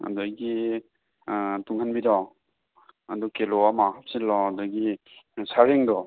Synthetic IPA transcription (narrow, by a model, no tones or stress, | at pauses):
a̰dɔɡi | tuŋhanbidɔ | adukelɔamakap̚silɔdɔɡi | saɾeŋdɔ